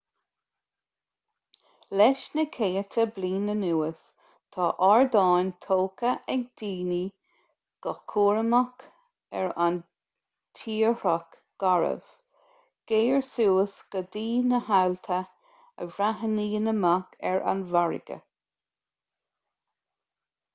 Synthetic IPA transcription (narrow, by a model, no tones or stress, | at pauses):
lɛʃnəkʰeːət̪ʰəbliːnənuːəs | t̪ʰɑːʔɑɹd̪ɑːnt̪ʰoːkəʔɛɡ̚d̪̥iːni | ɡ̥əkʰuːɹəmak | ɛɹan | t̪ʰiːɾɔk | ɡ̥aɹə̰v̥ | ɡ̥eːəɹsuːəsɡ̥əd̪iːnəhalt̪ʰə | ə̰vɾaɦəniːnəmakʰɛɹʔa̰nvaɹɪ̰ɡ̥ə̰